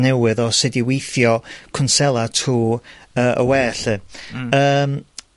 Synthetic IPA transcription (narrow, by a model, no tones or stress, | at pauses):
nɛwɨðɔsɨdiwejθjɔkʰʊnsɛlˠatʰuːəːʔə̰wɛːɬɨːəːm